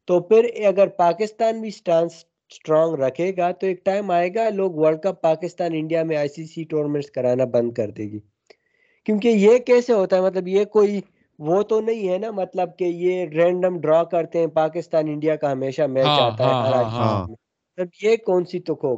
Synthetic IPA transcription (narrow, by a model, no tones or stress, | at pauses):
t̪opʰɪɾɐɡəɾpaːkɪst̪aːnbʱisʈãːns | sʈɾɔːŋɡɾɐkʰeːɡaːt̪oeːk̚ʈaːɪmaːeːɡaloːɡʋəɾɖkəpːaːkɪst̪aːnɪ̃ɳɖijamẽaːɪsiːsiʈoːɾmẽʈskɐɾaːnabɐ̃nd̪̚kɐɾt̪ḛːɡiː | kjũːk̬ejekɛːseɦoːt̪aɦɛmɐt̪̬ləbjekoːi | ʋot̪onɐɦĩɦɛnamɐt̪ləb̚kejeɾɛ̃ːɳɖəmɖɾɔːkɐɾt̪eɦɛ̃paːkɪst̪aːnɪ̃ɳɖijakaɦɐmeːʃamɛːd͡ʒaːt̪aɦɛʔɐɾaːd͡ʒimẽ | mɐt̪ləbjekɔːnsit̪ʊkʰoː